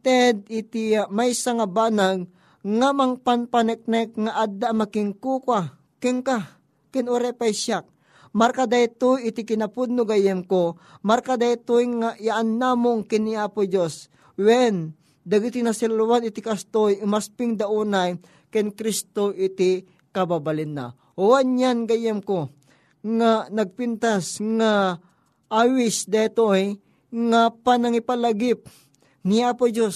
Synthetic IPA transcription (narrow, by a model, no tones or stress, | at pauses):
t̪ɛd̪̚ɪt̪iamajsaŋabaːnaɡ̚ | ŋamaŋpanpanɛk̚nɛk̚ŋaʔad̪ːaʔmakɪŋkuːkwa | kɛŋka | kɛnʊɾɛpajʃjak̚ | maɾkad̪ajt̪ujɪt̪ikɪnapʊd̪̚nʊɡajɛmko | maɾkad̪ajt̪ujŋaʔiaʔanːamʊŋkɪniaːpʊd͡ʒos | wɛn | d̪ɐɡit̪inɐsɛlwanɪt̪ikast̪ojɪmaspɪŋd̪aʔuːnaj | kɛnkɾist̪oʔɪt̪ɪ | kɐbabalɪnːa̰ | owanjanɡajɛmko | ŋanɐɡ̚pɪnt̪asŋa | ʔawɪsd̪at̪oj | ŋapanɐŋipalaɡɪp̚ | niaːpod͡ʒos